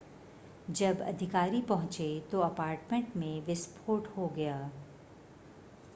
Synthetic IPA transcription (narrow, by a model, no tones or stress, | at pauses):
d͡ʒɐbɐ̰d̪ʱɪkaːɾipɐɦʊ̃t͡ʃet̪oɐpaːɾʈmẽɳʈmẽʋɪspʰoːɾʈhoɡɐjaː